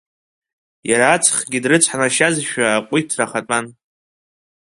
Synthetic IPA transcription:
jaɾaːt͡sʰʼχɡʲidrɨt͡sʷʰħanaʃazʃᶣaːqʷʼʊtʰraχatʼan

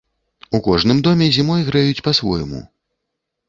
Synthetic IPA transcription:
ukɔʐnɨmd̪ɔmʲɛzʲimɔjɣɾajut͡sʲpɐsvɔ̰jmṵ

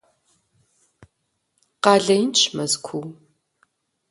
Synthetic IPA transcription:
qɑːɮɐjnt͡ʃʰʼmɐzkʷʰuw

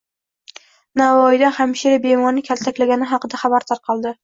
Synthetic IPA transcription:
navɒjd̪aχamʃiɾabe̞mɒnɪkʲʰalt̪ʰakʲlaɡʲanɪɦɑqɨd̪aχabaɾt̪ʰaɾqʰɑlˠd̪ɪ

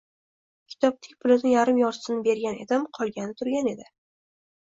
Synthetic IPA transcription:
kʲʰɪ̥t̪ʰɒp̚t̪ʰɪ̥k̚ʲpʰʊlɪnɪjaɾɪmjɒɾsɪnɪbe̞ɾɡʲane̞̰d̪ɪmqʰɒlˠɡʲanɪt̪ʰʊɾɡʲane̞d̪ɪ

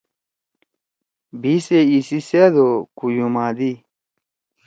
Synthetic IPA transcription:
bʱiseisised̪okujumaːd̪i

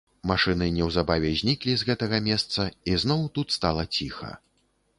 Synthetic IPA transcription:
maʂɨnɨnʲɛwzabavʲɛzʲnʲiklʲizɣɛt̪ɐɣɐmʲɛst̪sɐiznɔwt̪ut̪st̪alˠɐt͡sʲixɐ̰

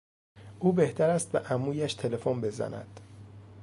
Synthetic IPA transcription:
ʔuːbe̞ht̪ʰæɾæst̪̚beʔæmuːjæʃt̪ʰe̞le̞fombe̞zæ̰næ̰d̪̥

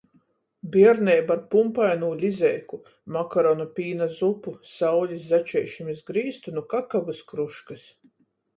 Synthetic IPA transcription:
biɛɾnɛjbaɾpumpajnuːlʲizɛjku | makaɾɔnupʲiːnazupusawlʲiszat͡ʃɛjʃimisɡɾiːst̪unukakaɡaskɾuʃkɨs

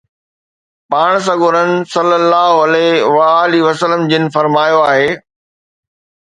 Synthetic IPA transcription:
paːɽ̃s̬ɐɡʊːɾənɪ̆sɐlːəlːaːɦoɐleʋaːliʋɐsələmd͡ʑɪnɪ̆fɐɾmaːjoaːɦeː

